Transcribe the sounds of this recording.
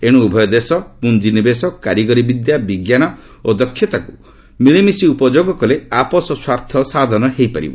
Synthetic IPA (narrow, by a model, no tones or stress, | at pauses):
eɽ̃uːbʱɔjɔd̪esɔpund͡ʒinebesɔkaɾjiɡɔɾibid̪jabiɡjanɔ | od̪ɔkʰːjɔt̪aku | miɭemisiupɔd͡ʒoɡɔkɔleapɔsɔswaɾt̪ʰɔsad̪ʱɔnɔɦejpaɾḭbɔ̰